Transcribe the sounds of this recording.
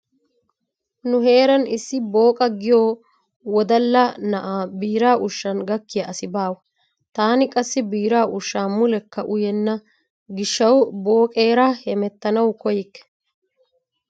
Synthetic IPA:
nʊɦe̞ːɾɐnɪsːɪbo̞ːkʼɐɡɪjoː | wɔd̪ɐlːɐnɐʔaːbiːɾaːʔʊʃːɐnɡɐkːɪjɐʔɐsɪbaːwɐ | t̪aːnɪkʼɐsːɪbiːɾaːʔʊʃːaːmʊlɛkːɐʔʊjɛnːɐ | ɡɪʃːɐwbo̞ːkʼe̞ːɾahɛmɛt̪ːɐnɐwkɔjɪkːɛ̥

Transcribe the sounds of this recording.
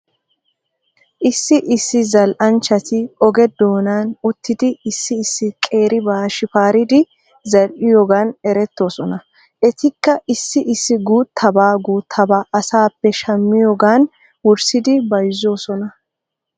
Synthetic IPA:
ʔɪsːɪʔɪsːɪzɐlʔɐnt͡ʃːɐt̪ɪɔɡɛd̪o̞ːnaːnʊt̪ːɪd̪ɪɪsːɪːsːɪkʼe̞ːɾɪbaːʃɪfaːɾɪd̪ɪ | zɐɾʔɪjoːɡaːnɛɾɛt̪ːo̞ːsɔnɐ | ʔɛt̪ɪkːɐʔɪsːɪʔɪsːɪɡuːt̪ʰːɐbaːɡuːt̪ʰːɐbaːʔɐsaːpːɛʃɐmːɪjoːɡaːn | wʊɾsɪd̪ɪbɐjzo̞ːsɔnɐ

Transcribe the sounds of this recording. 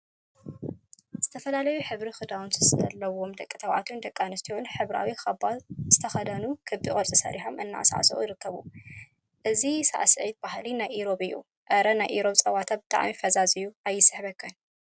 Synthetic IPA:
z̥ɨt̪ʰɐfɐlalɐjuħɨβɾixɨd̪awunzɨslːɐwo̞md̪ɐkʼːɨt̪ʰɐwʕa̰t̪ʰund̪ɐkʼːanɨst̪ʰiwunħɨβɾa̰wixɐbaz̥ɨt̪ʰɐxɐd̪ɐnukʰɨbikʼɐɾt͡sʼisɐ̰ɾiħomʔɨnːa̰ʔsa̰ʕ̰sɐ̰ʔujɾɨkʰːɐβu | ʔɨzisa̰ʔasɨʕit̪̚bahlinajʔiɾo̞bɨjːṵ | ʔɐɾɐnajʔiɾo̞bt͡sʼɐwat̪ʰabɨt̪ʼa̰ʕmifɐzazɨjuajːɪsɨ̥ħβɐkʰːɐn

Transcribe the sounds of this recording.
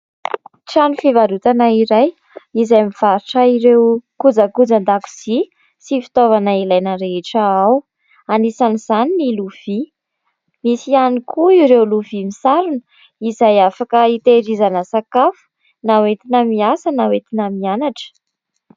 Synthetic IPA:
ʈ͡ʂanufivaɾut̪anaiɾaj | izajmiv̥aɾiʈ͡ʂəiɾewkud͡zəkud͡zand̪aku̥z̥i | sifi̥t̪ovanailajnəɾeʈ͡ʂəaw | anisaniz̥aniniluv̥i | misianikʰuiɾewluvimisaɾunə | izajafakəit̪eɾizanəsakafu̥ | nawet̪inəmiasənawet̪inəmianaʈ͡ʂə̥

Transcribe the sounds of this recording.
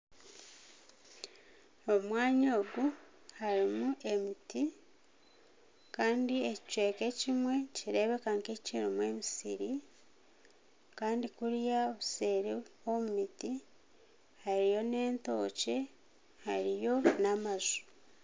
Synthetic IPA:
o̞mwaːɲo̞ːɡu | haɾimuʔe̞miti | kaːndieci̥cwe̞ːke̞cimwe̞ciɾe̞βe̞kaŋkecciɾimwe̞ːmisḭɾi | kaːndikuɾjaoβuse̞ɾio̞mumiti | haɾijo̞ne̞ːnto̞ːce̞ | haɾijo̞namazu̥

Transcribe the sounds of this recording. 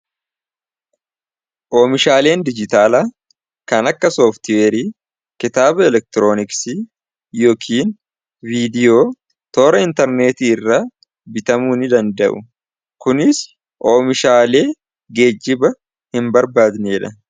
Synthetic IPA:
ʔo̞ːmɪʃaːle̞ːnd̪ɪd͡ʒɪt̪aːlaː | kɐnɐkːɐsoːft̪ɪweːɾiː | kɪt̪aːbɐɛlɛk̚t̪ɪɾo̞ːnɪksi | jo̞ːkʰiːn | viːd̪ɪjoː | t̪oːɾɐɪnt̪ɛɾne̞ːt̪iːrːaː | bɪt̪ɐmuːnɪd̪ɐnd̪ɐʔʊ̰ | kʊnɪs | ʔoːmɪʃaːle̞ː | ɡe̞ːd͡ʒːɪbɐ | hɪmbɐɾbaːd̪neːᶑɐ

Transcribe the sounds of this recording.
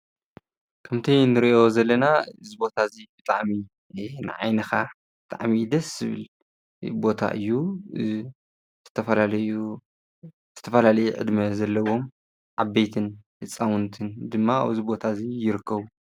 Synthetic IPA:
kʰɐmt̪ʰɐjnɨɾiʔo̞zɐlːɐnaɨzibo̞t̪ʰazibɨt̪ʼaʕmi | nɨ̰ʕa̰jnɐxa | bɨt̪ʼa̰ʕmid̪ɐszɨβɨ̰l | bo̞t̪ʰa̰ʔɨ̰jːu | zɨt̪ʰɐfɐlalɐju | z̥ɨt̪ʰɐfɐlalɐjuʕɨ̰d̪mɐzɐlːɐwo̞m | ʕabːejt̪ʰɨnfɨt͡sʼːawʊnt̪ʰɨnd̪ɨmːaa̰βɨzibo̞t̪ʰazijɪɾɨkʰːɐβu

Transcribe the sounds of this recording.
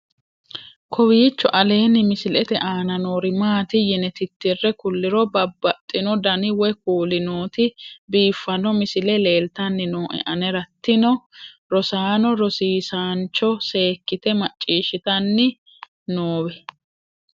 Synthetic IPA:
kʰɔwiːt͡ʃːɔʔɐle̞ːnɪmɪsɪlɛt̪ɛʔaːnɐnoːɾɪmaːt̪ɪjɛnɛt̪ɪt̪ːɪrːɛkʊlːɪɾɔbɐbːɐt̪ʼːɪnɔd̪ɐnɪwɔk̚uːlɪnoːt̪ɪbiːfːɐnɔmɪsɪlɛle̞ːlt̪ɐnːɪnoːʔɛ̰ʔɐnɛɾɐt̪ːɪnɔ | ɾɔsaːnɔɾɔsiːsaːnt͡ʃːɔse̞ːkːɪt̪ɛmɐt͡ʃʼːiːʃɪt̪ɐnːɪ | noːwɛ

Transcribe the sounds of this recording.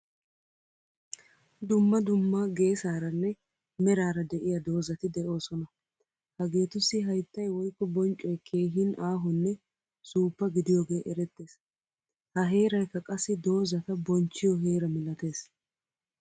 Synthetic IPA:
d̪ʊmːɐd̪ʊmːaɡe̞ːsaːɾɐnːɛ | mɛɾaːɾɐd̪ɛʔɪjɐd̪o̞ːzɐt̪ɪd̪ɛʔo̞ːsɔnɐ | hɐɡe̞ːt̪ʊsːɪɦɐjt̪ːɐjwɔjkːɔbɔnt͡ʃʼːɔjkʰe̞ːɦɪnaːɦʊnːɛ | suːpːɐɡɪd̪ɪjo̞ːɡe̞ːʔɛɾɛt̪ːe̞ːs | hɐɦe̞ːɾɐjkːɐkʼɐsːɪd̪o̞ːzɐt̪ɐbɔnt͡ʃːɪjɔɦe̞ːɾɐmɪlɐt̪e̞ːs

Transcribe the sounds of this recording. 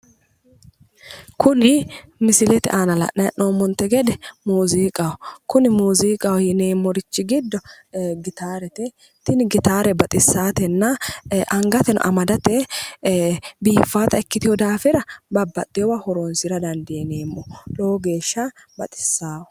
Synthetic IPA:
kʊnɪmɪsɪlɛt̪ɛʔaːnɐlɐ̰ʔnɐjɐʔnoːmːɔnt̪ːɛɡɛd̪ɛmuːziːkʼɐwɔkʊnɪmuːziːkʼɐwjɪne̞ːmːɔɾɪt͡ʃːɪɡɪd̪ːɔ | ɡɪt̪aːɾɛt̪ɛ | t̪ɪnɪɡɪt̪aːɾɛbɐt̪ʼɪsːaːt̪ɛnːɐʔɐŋɡɐt̪ɛnɔ̰ʔɐmɐd̪ɐt̪ɛ | biːfːaːt̪ɐɛkːɪt̪ɪjɔd̪aːfɪɾɐbɐbːɐt̪ʼːɪjɔwahɔɾoːnsɪɾɐd̪ɐnd̪ɪjɛneːmːɔloːɡe̞ːʃːɐ | bɐt̪ʼɪ̥sːaːwɔ

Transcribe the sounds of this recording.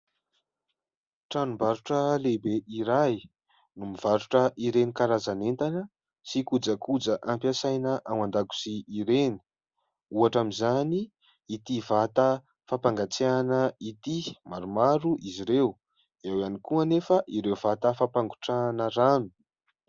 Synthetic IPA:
ʈ͡ʂanumbaɾuʈ͡ʂəlebeʔiɾaj | numiv̥aɾuʈ͡ʂəʔiɾenikaɾazanent̪anə | sikud͡zəkud͡zəʔampjasajnəʔamand̪aku̥siːɾeni̥ | uaʈ͡ʂamizaniː | t̪ivat̪ə | fapaŋɡat͡seanəit̪imaɾumaɾuʔiziɾew | ewanikuənefəʔiɾeuv̥at̪əfapaŋɡu̥ʈ͡ʂanəɾami̥

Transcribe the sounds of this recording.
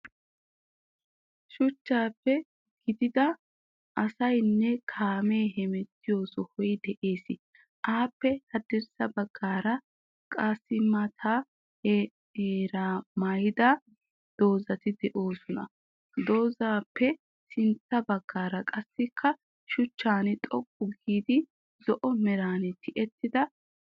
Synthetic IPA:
ʃʊt͡ʃːaːpːɛ | ɡ̥ɪd̪ɪd̪ɐ | ʔɐsɐjnːɛkʰaːmeːɦɛmɛt̪ːɪjo̞ːsɔhɔjd̪ɛʔe̞ːsɪ | ʔaːpːɛhɐd̪ɪɾsɐbɐɡːaːɾɐ | kʼɐsːɪmɐt̪ʰaː | eːɾaːmɐjd̪ɐ | d̪̥o̞ːzɐt̪ɪd̪ɛʔo̞ːsɔnɐ̰ | d̪o̞ːzaːpːɛ | sɪnt̪ːɐbɐɡːaːɾɐkʼɐsːɪkʰːɐ | ʃʊt͡ʃːaːnɪt̪ʼɔkʼːʊɡiːd̪ɪ | zɔʔɔmɛɾaːnɪt̪ʰɪʔɛt̪ːɪd̪ɐ

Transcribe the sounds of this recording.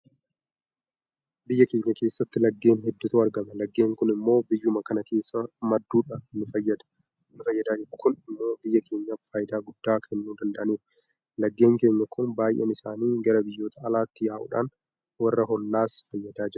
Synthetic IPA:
bɪjːɐke̞ːɲːɐke̞ːsːɐt̪ːɪlɐɡːe̞ːnɦɛd̪ːʊt̪uːɐɾɡɐmɐlɐɡːe̞ːŋkʊnɪmːo̞ːbɪjːʊmɐkɐnɐke̞ːsːɐmɐd̪ːuːᶑaːnnʊfɐjːɐd̪ɐ̥ | nʊfɐjːɐd̪aːd͡ʒɛᶑʊkʊnɪmːo̞ːbɪjːɐkʰe̞ːɲːafaːjɪd̪aːɡʊd̪̥ːaːkʰɛnːuːd̪ɐnd̪ɐʔɐneːɾʊ | lɐɡːe̞ːŋke̞ːɲːɐkʊnbaːjʔɛ̰nɪsaːniːɡɐɾɐbɪjːo̞ːt̪ʰɐːlaːt̪ːɪjaːʔʊ̰ᶑa̰ːn | wɐrːɐɦɔnːaːsfɐjːɐd̪aːd͡ʒɛʊ

